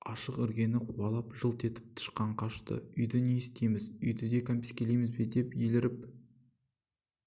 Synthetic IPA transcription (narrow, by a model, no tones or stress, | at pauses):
ɑʃəqʏɾɡʲe̞nɪqʰuɑlˠɑpʒəlˠt̪e̞t̪ɪ̥p̚t̪ʰə̥ʃqɑɴqʰɑʃt̪ə̰ʏjd̪ɪnest̪ejmɪzʏjd̪ɪd̪e̞kʰompʲi̥skʲelejmɪzbed̪e̞pjelɪɾɪp